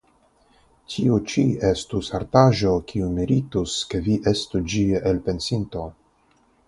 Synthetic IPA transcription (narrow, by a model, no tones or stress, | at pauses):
tʰiut͡ʃie̞stusaɾtaʒo̞kʰiumiɾituskeviʔe̞stud͡ʒiʔelpe̞nsinto̞